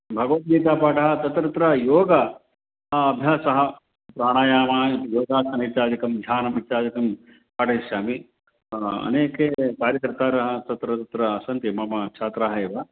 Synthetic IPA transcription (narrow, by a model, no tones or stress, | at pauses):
bʱɐɡɐʋɐt̪̚ɡiːt̪aːpaːʈɐɦɐ̆t̪ɐt̪ɾɐt̪ɾɐjoːɡɐː | bʱjaːsɐɦɐ̆ | pɾaːɽ̃aːjaːmaːjoːɡ̪aːsɐnit͡ʃaːd͡ʒ̪ikɐmd̪ʱaːnɐmit͡ʃaːd̪ikɐm | paːʈɐʃaːmi | ɐ̰neːkeːkaːɾjɐkɾt̪aːɾɐɦɐ̆t̪ɐt̪ɾɐt̪ɐt̪ɾɐːsɐnt̪jɐmɐmɐkt͡ʃʰaːt̪ɾaːɦɐeːʋɐ